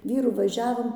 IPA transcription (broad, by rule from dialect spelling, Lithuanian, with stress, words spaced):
ˈʋʲiːrʊ ʋɐˈʒʲæːʋoːm